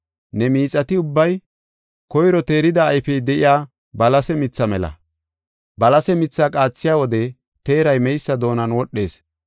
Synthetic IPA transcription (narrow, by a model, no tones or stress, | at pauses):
nɛmiːt͡sʼɐt̪ɪʊbːɐj | kɔjɾɔt̪e̞ːɾɪd̪ɐːjfɛjd̪ɛʔɪjaː | bɐlɐsɛmɪt͡sːɐmɛlɐ̰ | bɐlɐsɛmɪt͡sːakʼaːt͡sːɪjaːwɔd̪ɛ | t̪e̞ːɾɐjmɛjsːɐd̪o̞ːnɐnwɔɗːe̞̰ːs